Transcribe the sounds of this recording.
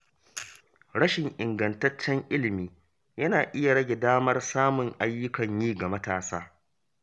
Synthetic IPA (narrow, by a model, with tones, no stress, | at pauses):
ɽɐ˦ʃɪ˨ŋʔɪ˨ŋɡɐ˨ntɐ˦t͡ʃːɛ˦ŋʔɪ˦lɪ˨miː˦ | jɐ˦naː˨ʔɪ˦ja˨ɽɐ˦ɡʲe˨daː˦mɐ˦rsaː˦mʊ˨ŋʔa˦jːʊ˦kɐ˨ɲjiː˦ɡa˨mɐ˦taː˨saː˦